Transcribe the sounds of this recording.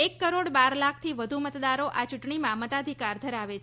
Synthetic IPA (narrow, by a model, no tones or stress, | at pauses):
ekːəɾoɽbaɾlak̚ʰt̪ʰiʋəd̪ʱumət̪d̪aɾoʔat͡ʃuʈɳimãmət̪ad̪ʱikaɾd̪ʱəɾaʋet͡ʃʰ